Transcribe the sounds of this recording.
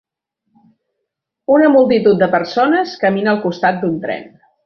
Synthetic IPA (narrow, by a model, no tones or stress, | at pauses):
unəmulˠt̪̬it̪ut̪̚d̪əpəɾsonəskəminəːlˠkust̪at̪̚d̪unt̪ɾɛ̰n